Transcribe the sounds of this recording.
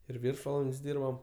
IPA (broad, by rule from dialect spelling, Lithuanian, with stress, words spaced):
ɪr ˈʋʲɪrʃʋɐlˠɐnʲtʲsʲ ˈdʲiːrbɐm